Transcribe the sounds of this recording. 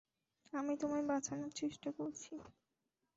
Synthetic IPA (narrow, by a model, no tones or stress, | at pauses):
amit̪omaɾbat͡ɕʰanoɾt͡ɕeʃʈakoɾt͡ɕʰi